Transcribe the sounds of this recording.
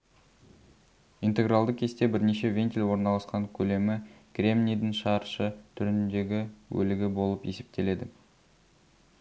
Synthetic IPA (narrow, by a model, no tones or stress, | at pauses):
int̪e̞ɡralˠd̪əqkʰʲe̞st̪e̞bɪɾneʃe̞vʲe̞nt̪ʲilʲwo̞ɾnɑlˠɑsqɑŋkʲʰɵle̞mɪkrʲe̞mnʲijd̪ɪŋʃɑɾʃət̪ʰʏɾɪnd̪e̞ɡʲɪwɵ̰lɪɡʲɪbo̞lˠəpje̞̰se̞p̚t̪e̞le̞d̪ɪ